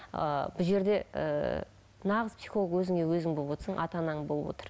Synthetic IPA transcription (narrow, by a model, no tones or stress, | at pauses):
ə̰bʊʒe̞ɾd̪e̞ə̰ | nɑʁəzpsiχolˠɡwɵzɪŋewɵzɪŋbolˠəbwot̪əɾsɴʔɑ̰t̪ɑnɑɴbolˠəbwo̰t̪ə̥ɾ